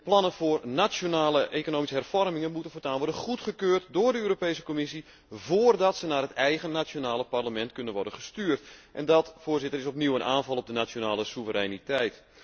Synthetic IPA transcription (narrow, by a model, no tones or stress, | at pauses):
plɑnənvoːrnat͡ʃjonaːləʔejkonoːmisəɦɛrfɔrmɪŋənmutənfotaːnʋɔrdənχutχəkøːrtdoːrdəøːɾopejsə̥komɪsi | voːrdɑtsənaːrətɛjɣənat͡ʃjonaːlˠəparləmɛntkɵnənʋɔrdənχəstyːrtʔɛndɔtfoːrzɪtərɪsɔpniwənʔaːnvɑlˠɔp̚dənat͡ʃjonaːləsuvəɾɛnitɛjt